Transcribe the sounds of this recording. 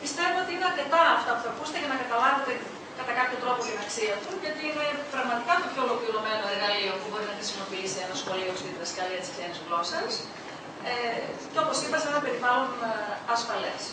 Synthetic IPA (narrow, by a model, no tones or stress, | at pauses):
pist̪e̞voot̪iineɐɾce̞t̪ɐɐft̪ɐpuθɐkuse̥t̪eʝɐnɐkɐt̪ɐlɐve̞t̪e̞ | kɐt̪ɐkɐpçot̪ɾo̞post̪inɐksiɐt̪uʝɐt̪iinepɾɐɣmɐt̪ikɐt̪o̞pço̞lokliɾo̞me̞noeɾɣɐlio̞pubo̞ɾinɐxɾisimo̞piisienɐsxo̞liost̪it̪iðɐskɐliɐt̪isksenizɣlo̞sɐs | eceo̞po̞sipɐsenɐpe̞ɾivɐlonɐsfɐle̞̰s